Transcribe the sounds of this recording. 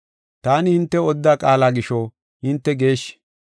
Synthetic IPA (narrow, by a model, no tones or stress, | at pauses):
t̪aːnɪhɪnt̪ːɛɔd̪ːaːkʼaːlaːɡɪʃɔ | hɪnt̪ːɛɡe̞ːʃ